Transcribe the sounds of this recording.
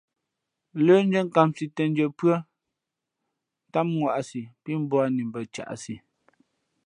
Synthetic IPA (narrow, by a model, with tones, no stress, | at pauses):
ləː˦n̩˦d͡ʒə˦ŋ˦˨ka˨msi˨tə˨n˦d͡ʒə˨pɰə˦ | ta˦mŋwa˨ʔa˨si˨pi˦m̩˦bɔ˦a˦ni˨m˨bə˨t͡ʃa̰˨ʔa̰˨si˨